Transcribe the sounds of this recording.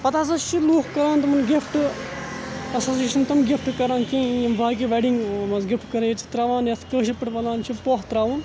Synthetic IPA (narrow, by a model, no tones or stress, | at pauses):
pɐt̪aːs̬at͡ʃʰiluːkkɐɾaːnt̪ɐmɐnɡɪfʈ | ɐsoːsiːʃɐnt̪ɐmɡɪfʈkɐɾãːnkĩːɐmbʱaːkiʋeɖiŋɡmɐzɡɪfʰʈkɐɾejt͡ʃʰi̥t̪ɾɐʋãːnjɐt̪kəːʃ̬ipɪʈʋɐlãːnt͡ʃʰipoːɦt̪ɾaːʋũːn